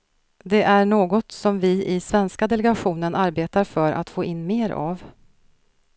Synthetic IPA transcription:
d̪ɛʔæɳoːɡɔt̪sɔmvɪɪsvɛnskad̪ɛlɛɡaɧuːnənʔaɾbeːt̪aɾfœɾʔa̰t̪foːʔɪnːmeːɾʔa̰v

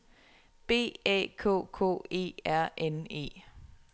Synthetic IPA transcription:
b̥e̝̰ːɛ̰ːkʰɔ̰ːkʰɔ̝̰ːe̝̰ːæɐ̰ʔene̝̰ː

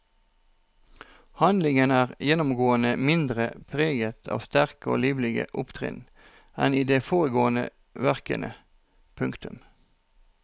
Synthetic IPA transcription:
hɑnd̪lɪŋənæːʁjɛnʊmɡoːənəmɪnd̪ʁəpʰʁeːɡət̪ʰɑ̰ːʋst̪æʁkəo̰ːliːʋlɪɡə̰ʔʊpt̪ʰʁɪ̰n | ɛniːd̪eːfoːʁəɡoːənə̰ | ʋæʁkə̰nʔə̰ | pʰʉŋkt̪ʉm

